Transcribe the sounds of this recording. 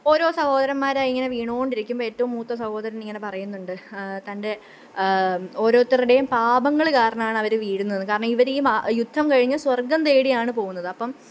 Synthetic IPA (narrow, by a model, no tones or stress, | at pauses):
o̞ːɾo̞ːsɐho̞ːd̪ɐɾɐmːaːɾaːjiŋːɐne̞ʋiːɳoːɣoɳɖiɾikʲːumboeːtːɐʋumːuːt̪ːɐsɐho̞ːd̪ɐɾɐniŋːɐne̞pɐrɐjunːuɳɖɨt̪ɐnde̞ | o̞ːɾo̞ːt̪ːiriɽe̞jumpaːbɐŋːɐɭkaːɾɐɳɐmaːɳɐʋɐɾuʋiːɽunːɐðɨkaːɾɐɳɐmiʋɐɾejumajud̪ʱːɐmkɐɻiɲːɐswɐrɡɐnt̪e̞ːɽijaːɳɨpo̞ːɣunːɐðɨɐpːɐm